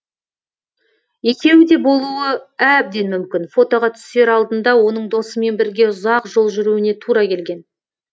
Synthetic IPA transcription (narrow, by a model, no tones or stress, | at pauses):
e̞kʲe̞wɪd̪e̞bo̞lˠuwəæb̚d̪e̞nmʏmkʲɪnfo̞t̪o̞ʁɑt̪ʰʏ̥st̪e̞ɾɑlˠd̪ənd̪ɑwo̞nəɴd̪o̞səme̞nbɪɾɡʲe̞ʊzɑqʒo̞lˠʒʏɾuwɪne̞t̪ʰuɾɑkʲʰe̞lɡʲe̞n